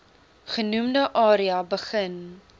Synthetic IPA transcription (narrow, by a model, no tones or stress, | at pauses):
χənumdəʔɑːɾiɐbəχən